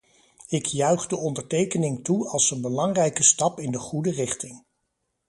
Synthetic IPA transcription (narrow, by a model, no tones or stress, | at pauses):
ɪkjœɥχdəɔndəɹtejkənɪŋtuɑlˠsənbəlɑŋrɛjkəstɑpɪndəχudərɪχtɪŋ